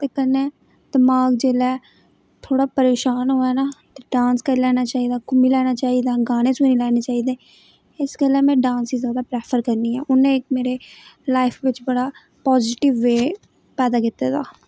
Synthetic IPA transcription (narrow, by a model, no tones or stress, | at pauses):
t̪eːkənẽː | d̪əmaːɡd͡ʒeːlɛː | t̪ʰoːɽaːpəɾeːʃaːnɦoːɛːnaːt̪eːɖãːnskəɾilɛːnaːt͡ʃaːɦiːd̪aːkʊmiːlɛːnaːt͡ʃaːiːd̪aːɡaːnẽːsenĩːlɛːneːt͡ʃaːɦiːd̪eː | ɪsɡəlɛːmɛ̃ːɖãːnsiːzjaːd̪aːpɾɛːpʰəɾkəɾniːɛ̰ːʔʊnẽːɪkmeːɾeːlaːɪpʰʋɪt͡ʃbəɽaː | pɔːzɪʈɪʋːeː | pɛːd̪aːkɪt̪eːt̪aː